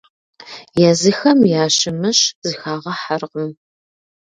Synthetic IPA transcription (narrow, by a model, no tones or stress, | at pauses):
jazɨxɐmjaːɕɪmɨɕzɨxaːʁɐħarqəm